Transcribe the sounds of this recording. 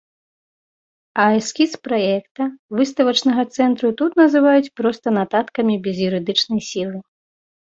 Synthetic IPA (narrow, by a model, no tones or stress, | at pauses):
ɐɛskʲispɾajɛkt̪ɐvɨst̪ɐvɐt͡ʂnɐɣɐt̪sɛnt̪ɾut̪ut̪nɐzɨvajut͡sʲpɾɔst̪ɐnat̪at̪kɐmʲibʲɛzjuɾɨd̪ɨt͡ʂnɐjsʲilˠɨ